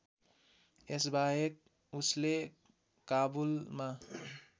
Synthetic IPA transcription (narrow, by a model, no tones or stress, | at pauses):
esbaɦek̚ | usle | kabulma